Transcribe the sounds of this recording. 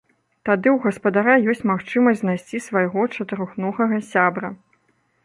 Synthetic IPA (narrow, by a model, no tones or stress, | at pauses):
t̪ad̪ɨwɣɐspɐd̪aɾajɔsʲt͡sʲmaxt͡ʂɨmɐsʲznajsʲt͡sʲisvɐjɣɔt͡ʂɐt̪ɨɾɔxnɔɣɐɣɐsʲabɾɐ